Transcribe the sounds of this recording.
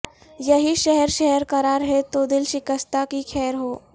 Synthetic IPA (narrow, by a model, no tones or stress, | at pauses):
jɐɦiʃɛɦɛɾʃɛɦɛɾkɐɾaːɾɦɛt̪od̪ɪlʃɪkəst̪akikʰɛːɾɦoː